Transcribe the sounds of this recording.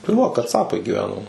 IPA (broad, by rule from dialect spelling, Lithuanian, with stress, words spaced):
tɐɪ ʋɐ kɐˈt͡sɑːpɐɪ ɡʲɪˈʋʲæːnoː